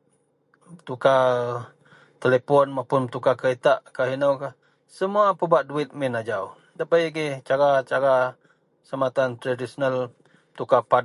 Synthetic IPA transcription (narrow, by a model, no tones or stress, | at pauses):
t̪uka | t̪elepɔnmapʊnt̪ukakəit̪aʔkaɦinawkah | səmuapəbaʔduɪt̪̚mɪnad͡ʒaw | d̪apajɡɛht͡ʃaɾat͡ʃaɾa | səmat̪ant̪ɾadisonal | t̪ukapa